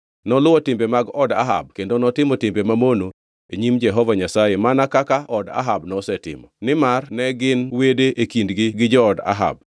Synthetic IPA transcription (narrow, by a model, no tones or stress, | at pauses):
nɔlʊɔtɪmbemaɡɔda̰ɦa̰b̚kendonɔtɪmɔtɪmbemamono | eɲimd͡ʒɛɦɔvaɲasajemanakakaɔda̰ɦabnɔsɛtɪ̰mɔnɪmarnɛɡɪnwedeʔekindɡɪɡɪd͡ʒɔːda̰ɦa̰b̚